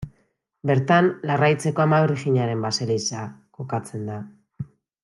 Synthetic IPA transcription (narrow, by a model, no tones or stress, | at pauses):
be̞ɾt̪anlarajt͡se̞ko̞amaβeɾiɣiɲaɾe̞mbaselisako̞kat͡se̞nd̪a